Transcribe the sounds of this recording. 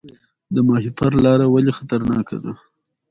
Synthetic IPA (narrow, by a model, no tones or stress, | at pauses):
d̪əmɑhipaɾlɑɾawalixat̪aɾnɑka̰d̪a